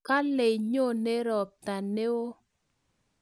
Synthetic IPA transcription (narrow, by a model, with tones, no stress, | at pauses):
ka˦le˨ɲo˦˨ne˦ɾɔ˨p̚t̪a˨ne˦o˦